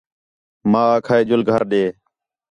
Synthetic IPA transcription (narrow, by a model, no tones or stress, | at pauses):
mãːaːkʰaːeːd͡ʒʊlɡʱəɾɗeː